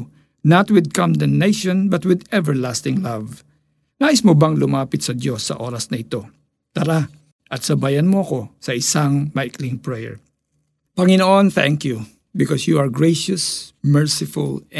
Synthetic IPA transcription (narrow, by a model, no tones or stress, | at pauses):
nɐt̪wɪd̪̚kɔ̃nd̪ɛnːejʃɔ̃nbɐt̪̚wɪd̪ɛvɛɹlast̪ɪŋlɐv | naːʔɪsmobaŋlʊmaːpɪt̪sɐd̪jo̞sːɐ̰ʔo̞ːɾɐsnɐɪt̪o̞ | t̪ɐɾa | ʔɐt̪sɐbaːjɐnmoɐko̞sɐʔɪsaŋmɐɪkliŋpɹɛjɛ̰ɹ | pɐŋɪnoʔonθɛ̃ŋkju | bɪkɔsjuɐɹɡɹejʃɐsmɛɹsɪfʊ̰l